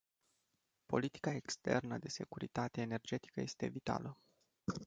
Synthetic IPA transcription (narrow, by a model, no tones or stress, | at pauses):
po̞̰lit̪i̥kae̞kst̪e̞rnəd̪e̞se̞kuɾit̪at̪e̞ːne̞rd͡ʒe̞t̪i̥kəje̞st̪e̞vit̪a̰lə